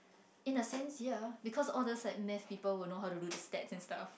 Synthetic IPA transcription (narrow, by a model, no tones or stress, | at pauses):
ĩnəsɛ̃nsjəbikʰɔsɔldəslaɪjk̚mɛfpiːpəlwilnoɦaʊwtududəstɛtsɛ̃nstaf